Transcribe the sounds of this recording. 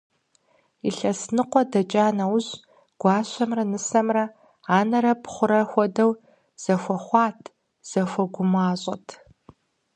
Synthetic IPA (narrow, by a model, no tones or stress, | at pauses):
iɬɐsnɨqʷɔdɐt͡ʃʼaːnɐwʊʑ | ɡ̥ʷɑːɕʷɐmrɐnɨsɐmrɐ | aːnɐɾɐpχʷʊɾɐxʷɔdɐw | z̥ɐxʷɔχʷɑːtʰ | z̥ɐxʷɔɡʷʊmaːɕʼɐtʰ